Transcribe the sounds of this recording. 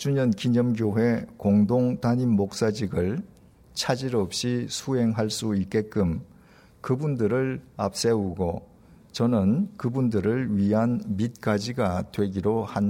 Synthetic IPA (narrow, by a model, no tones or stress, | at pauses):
t͡ɕuɲʌnkiɲʌmɡ̬joɦe̞koŋdoŋtaɲimːok̚s͈ad͡ʑiɡɯɭ | t͡ɕʰad͡ʑiɾʌp̚ɕ͈isʰuɦe̞ŋɦaɭs͈uik͈e̞k͈ɯm | kɯbundɯɾɯɭap̚s͈e̞uɡo | t͡ɕʌnɯnkɯbundɯɾɯɭɥiɦanmit̚k͈ad͡ʑiɡatwe̞ɡiɾohan